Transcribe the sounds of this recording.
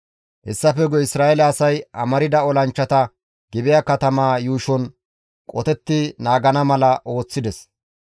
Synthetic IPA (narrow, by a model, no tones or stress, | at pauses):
hɛ̰sːɐfɛɡɔɪsɾaːʔɛlɐːsɐjɐ̰mɐɾɪd̪ɐɔlɐnt͡ʃːɐt̪ɐ | ɡ̥ɪbɪjaːkɐt̪ɐmaːjuːʃɔn | kʼɔt̪ɛt̪ːɪnaːɡɐnɐmɐlɐʔo̞ːt͡sːɪd̪ɛs